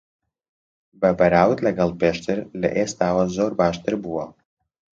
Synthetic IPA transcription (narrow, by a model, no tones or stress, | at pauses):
babaɾawtʼlʲaɡalpʰeʃtʰɨrlḛʔest̪ʰaːwazorbaːʃt̪ʰʼɨrbuwa